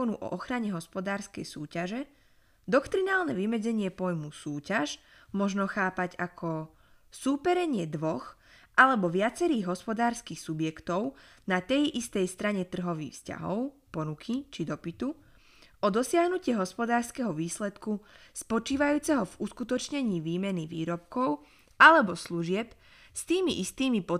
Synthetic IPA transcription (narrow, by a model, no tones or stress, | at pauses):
ɔnuʔɔ̰ʔɔxɾaɲɛɦɔspɔd̪aːɾskɛ̰jsuːcaʒɛ | d̪ɔkt̪ɾinaːlˠnɛʋimɛd͡zɛɲɪɛpɔjmusuːcaʃ | mɔʒnɔxaːpaɟakʰɔ | suːpɛɾɛɲɪɛd̪ʋɔx | ʔalɛbɔʋɪat͡sɛɾiːɣɦɔspɔd̪aːɾskixsubjɛkt̪ɔʊ | nat̪ɛjʔist̪ɛjst̪ɾaɲɛt̪r̩ɦɔʋḭːxfsca̰ɦɔ̰ʊpɔnukʰit͡ʃid̪ɔpit̪u | ʔɔd̪ɔsɪaɦnucɪɛɦɔspɔd̪aːɾskɛɦɔʋiːslɛt̪kuspɔt͡ʃiːʋajuːt͡sɛɦɔvuskut̪ɔt͡ʃɲɛɲiːʋiːmɛniʋiːɾɔp̚kɔʊ | ʔalɛbɔsluʒɪɛp | st̪iːmiʔist̪iːmipɔ